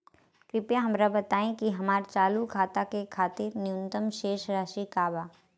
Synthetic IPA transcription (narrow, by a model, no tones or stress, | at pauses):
kɾɪpjaɦɐmɾabɐt̪aːẽkiɦɐmaːɾt͡ʃaːlukʰaːt̪akekʰaːt̪ɪɾnɪjʊ̃nt̪əmʃeːʃɾaːʃikaːbaː